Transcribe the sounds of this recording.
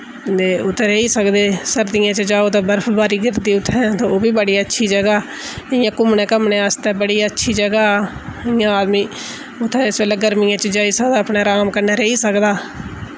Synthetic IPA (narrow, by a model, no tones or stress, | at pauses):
eːʊt̪ʰːɛːɾeiːsəkd̪eːsəɾd̪ɪjãːt͡ʃəd͡ʒaːoːt̪aːbəɾfʰbaːɾiːɡɪɾd̪iːʊt̪ʰːɛ̃ːt̪ãːoːbiːbəɽiːətːʃʰiːd͡ʒəɡaː | ɪjãːkʊmnẽːkəmnẽːəst̪ɛːbəɽiːətːʃʰiːd͡ʒəɡaːɪjãːaːd̪miː | ʊt̪ʰːɛɪsbeːlɛːɡəɾmɪːãːt͡ʃəd͡ʒaːiːsəkd̪aːəpɳaːɾaːmkəɾneːɾəiːsəkd̪aː